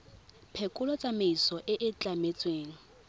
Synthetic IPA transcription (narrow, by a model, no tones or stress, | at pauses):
pʰekʼʊlɔt͡sʼameisɔʔɪʔɪt͡ɬʼamet͡sʼweːŋ̩